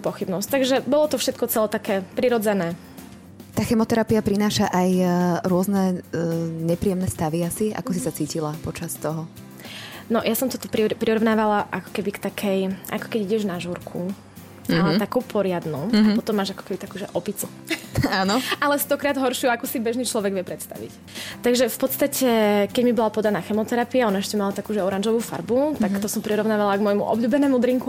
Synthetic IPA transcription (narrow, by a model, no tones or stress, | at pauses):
pɔxibnɔsct̪aɡʒɛbɔlɔt̪ɔfʃɛt̪̚kɔt͡sɛlɛt̪akɛːpɾiɾɔd͡zɛnɛː | t̪aːxɛmɔt̪ɛɾapiapɾinaːʃaʔajɾʊɔznɛ | ɲɛpɾijɛmnɛst̪aʋiasia̰kɔsisat͡siːcilapɔt͡ʃast̪ɔɦɔ | nɔjasɔmt̪ɔt̪ɔpɾipɾiɾɔʋnaːʋalaʔakɔ̥kɛbikt̪akʰɛjʔa̰kɔ̥kɛɟiɟɛʒnaʒuɾkʰu | t̪akuːpʰɔɾɪad̪nuapɔt̪ɔmːaːʒakɔ̥kɛbit̪akuːʒɛʔɔpit͡su | aːnɔalɛst̪ɔkɾaːd̪ɦɔɾʃuakusibɛʒnit͡ʃlɔʋɛɡʋɪɛpɾɛt̪st̪a̰ʋḭc | t̪aɡʒɛfpɔt̪st̪acʰɛkɛɟmibɔlapɔd̪anaːxɛmɔt̪ɛɾapiaɔnaɛʃcɛmalat̪akuːʒɛɔɾanʒɔʋuːfa̰ɾbut̪akt̪ɔsɔmpɾiɾɔʊnaːʋalaɡmɔjmṵʔɔ̰bʎuːbɛnɛːmud̪ɾiŋku